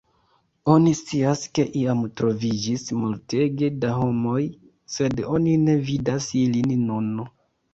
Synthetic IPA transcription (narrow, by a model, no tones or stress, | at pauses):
onist͡siaske̞ʔiamtɾo̞vid͡ʒismulte̞ɡe̞daɦo̞mo̞j | se̞do̞nine̞vidasilinnono